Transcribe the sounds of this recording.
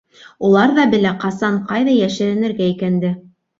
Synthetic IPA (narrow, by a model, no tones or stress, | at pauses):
ulˠɑɾðɑbɘ̆læqɑsɑɴqɑjðɑjæʃɘ̆ɾɘ̆nɘ̆ɾɡæikænd̪ɘ